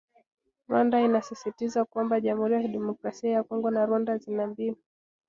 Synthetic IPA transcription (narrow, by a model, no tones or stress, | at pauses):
ɾwandainasisitizakwambaʄam̩huɾijakiɗɛmɔkɾasiajakɔŋɡɔnaɾwandazinambinu